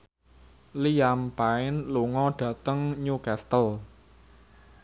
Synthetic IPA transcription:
lijampaɪnluŋɔɖ̥ä̤t̪əŋɲukast̪əl

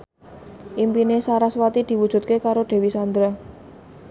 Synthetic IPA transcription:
ʔimpinesaɾaswat̪id̪̥i̤wu̥ʒ̥ṳt̪̚kekaɾoɖ̪̥e̤wisand̪ɾa

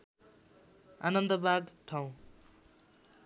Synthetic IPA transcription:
a̰nʌnd̪ʌbʱaɡʈʰaw̃

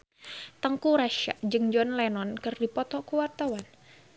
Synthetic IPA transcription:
t̪əŋkuɾaʃa̰ʔd͡ʒɨŋd͡ʒɔnlɛnɔnkɨrdipɔt̪ɔkuwart̪awan

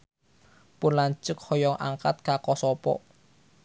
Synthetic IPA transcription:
pʊnlaɲt͡ʃʊk̚hɔjɔŋʔa̰ŋkat̪̚kakɔsɔpɔ̰ʔ

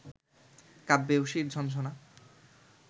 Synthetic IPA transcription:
kabːewʃiɾd͡ʑʱɔnʃ̬ona

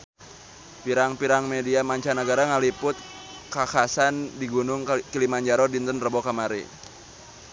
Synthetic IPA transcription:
piɾaŋpiɾaŋmediamaɲt͡ʃanəɡaɾaŋalipʊt̪̚ | kakasandiɡunʊŋkilimaɲd͡ʒaɾɔdint̪ənrəbɔkamaɾḭ

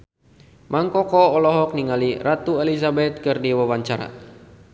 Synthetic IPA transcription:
mʔaŋkɔkɔɔlɔɦɔk̚niŋalirat̪uelisabɛt̪̚kɨrdiwawaɲt͡ʃaɾa̰

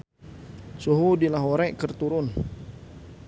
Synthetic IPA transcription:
suɦudilaɦoɾɛʔkərt̪uɾʊn

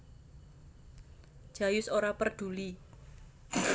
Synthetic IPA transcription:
d͡ʒ̥a̤jʊsoɾapərɖ̪̥ṳli

